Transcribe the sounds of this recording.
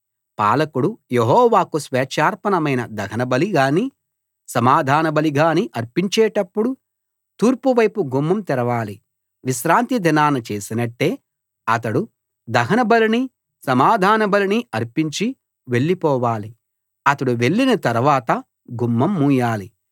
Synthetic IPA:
paːlɐkuɽujeɦɔːʋaːkusʋɛːt͡ʃaːɾpɐnɐmɐjnɐd̪ɐɡʰɐnɐbɐliɡaːni | sɐmaːd̪ʱaːnɐbɐliɡaːniʔɐɾpiɲt͡ʃɛːʈɐpːuɽu | t̪uːɾpuʋɐjpuɡumːɐmt̪iɾɐʋaːli | ʋiʃɾaːnt̪id̪ʱɐnaːnɐt͡ʃe̞ːsinɐʈːe̞ː | ɐt̪ɐɽu | d̪ɐɦɐnɐbɐlini | sɐmaːd̪ʱaːnɐbɐliniɐɾpiɲt͡ʃi | ʋe̞ɭːipɔːʋaːli | ɐt̪ɐɽuʋe̞ɭːinɐt̪ɐɾʋaːt̪ɐ | ɡumːɐmːuːjaːli

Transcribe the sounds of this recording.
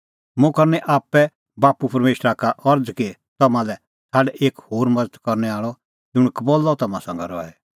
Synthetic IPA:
mũkɐɾnɛʔaːpːɛ | baːpupɐɾmeːʃɾakaʔɔɾd͡zkit̪ɐmãlɛ | sʰaːɽɛʔeːkhoːɾmɐd͡zət̪kɔɾnɛaːɭɔ | d͡zʊɽ̃kbolːɔt̪ɐmãsɐ̃ŋɡɛ̰ɾɔ̰ɛ̰

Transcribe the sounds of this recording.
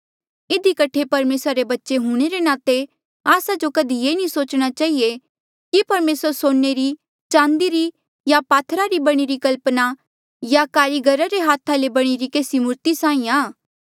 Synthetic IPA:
ɪd̪ʱikɐʈʰepɐɾmeːsɾaɾebɐtːʃeɦuːɽ̃eɾenaːt̪e | aːsad͡ʒokɐd̪ʱijeːnĩsoːt͡ʃɽ̃at͡ʃaːɦie | kipɐɾmeːsəɾsoːeɾi | t͡ʃãːnd̪iɾi | japaːt̪ʰɾaɾibɐɽ̃iɾikɐlpna | jakaːɾiɡʱɐɾaɾeɦaːt̪ʰalebɐɽ̃iɾikeːsimʊɾt̪isãːĩaː

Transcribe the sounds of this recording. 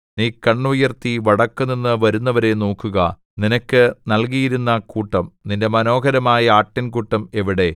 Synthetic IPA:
niːkːɐɳːujɐrt̪iʋɐɽɐkːɨninːɨʋɐɾunːɐʋɐɾe̞no̞ːkːuɣɐ | ninɐkːɨnɐlk̬ijiɾunːɐkuːʈːɐmninde̞mɐno̞ːɡɐɾɐmaːjɐaːʈːinkuʈːɐme̞ʋiɽe̞

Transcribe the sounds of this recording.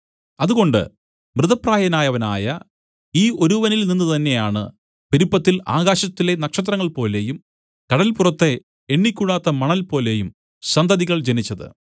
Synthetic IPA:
ɐðuɣo̞ɳɖɨ̰ | mrɨðɐpraːjɐnaːjɐʋɐna̰ːjɐ | iːo̞ɾuʋɐnilninːut̪ɐnːe̞jaːɳɨ̰ | piɾupːɐt̪ːila̰ːɣaːɕɐt̪ːile̞nɐkʂɐt̪̬rɐŋːɐɭpo̞ːle̞jum | kɐɽɐlpurɐt̪ːe̞ | eɳːikʲːuɽaːt̪ːɐmɐɳɐlpo̞ːle̞jum | sɐnd̪ʱɐðiɣɐɭd͡ʑenit͡ɕːɐðɨ̰

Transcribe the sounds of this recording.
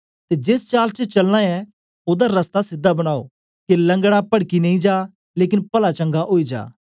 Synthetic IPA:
t̪ed͡ʒeːst͡ʃaːlt͡ʃət͡ʃɐlñãɛ | oːd̪aɾɐst̪asɪd̪ːabɐɽ̃aːo̰ | kelɐ̃ŋɡɽapɐɽkinɐ̃ĩd͡ʒaː | leːk̬ɪnpɐlat͡ʃɐ̃ŋɡaʔoːid͡ʒa̰ː

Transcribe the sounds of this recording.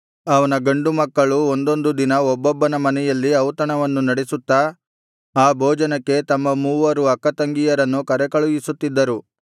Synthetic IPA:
ɐʋɐnɐɡɐɳɖumɐkːɐɭuond̪o̞nd̪ud̪inɐɔbːɔbːɐnɐmɐnɛjɐlːiɐwt̪ɐɳɐʋɐnːunɐɽesut̪ːɐ | aːbʱɔːd͡ʒɐnɐkːe̞t̪ɐmːɐmuːʋɐɾuɐkːɐt̪ɐŋɡijɐɾɐnːukɐɾɛkɐɭujisut̪ːid̪ːɐɾu

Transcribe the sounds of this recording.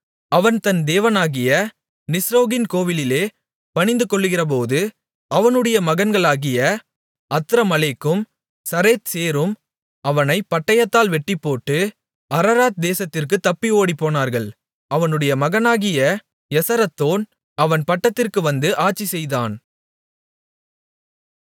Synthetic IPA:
ɐʋɐnt̪ɐnd̪eːʋɐnaːɣɪjɐ | nɪsɾoːɣɪnkoːʋɪlɪleː | pɐɳɪnd̪ɯkɔɭːɯɣɪrɐp̬oːðɯ | ʔɐʋɐnɯɽɐjɐmɐɣɐnɡɐɭaːɣɪjɐ | ɐt̪ːɪɾɐmɐlekːɯm | sɐɾeːt̪seːɾɯm | ɐʋɐnɐɪpːɐʈːɐjɐt̪ːaːlʋɛʈːɪpːoːʈːɯ | ɐɾɐɾaːt̪̚d̪eːsɐt̪ːɪrk̬ɯt̪ːɐpːioːɽipːoːnaːɾɣɐɭ | ɐʋɐnɯɽɐjɐmɐɣɐnaːɣɪjɐ | jɛsɐɾɐt̪ːoːn | ɐʋɐnpɐʈːɐt̪ːɪrkɯʋɐnd̪ɯʔaːʈt͡ʃːisɛjðaːn

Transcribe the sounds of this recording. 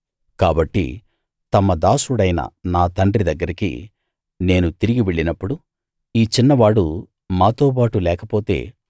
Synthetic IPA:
kaːbɐʈːḭ | t̪ɐmːɐd̪aːsuɽɐjnɐ̰naːt̪ɐɳɖrid̪ɐɡːɐɾikḭ | ne̞ːnut̪iɾiɡiʋeɭːinɐpːuɽu | iːt͡ʃinːɐʋaːɽu | maːt̪o̞ːp̬aːʈulɛːkɐpo̞ːt̪e̞̰ː

